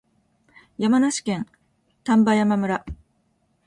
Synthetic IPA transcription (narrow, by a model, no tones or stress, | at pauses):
jamanaɕi̥kẽ̞n | t̪ãmbajamamɯ̟ɾa